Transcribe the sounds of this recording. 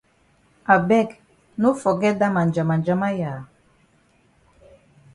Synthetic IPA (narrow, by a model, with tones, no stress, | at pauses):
a˨bɛ˦˨k | no˦fɔ˨ɡɛ˦da˦ma˨nd͡ʒa˨ma˨nd͡ʒa˦ma˦ja˨